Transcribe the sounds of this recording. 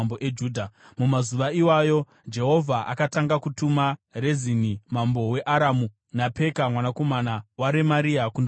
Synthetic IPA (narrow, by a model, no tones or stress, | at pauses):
boʔed͡ʒuːdʱa | mumazuʋaiwajo̞ | d͡ʒe̞ɦo̞vʱaʔa̰kataŋɡakutumarezinimambo̞we̞ʔaɾamu | nape̞kamwanako̞manawaɾemaɾiakund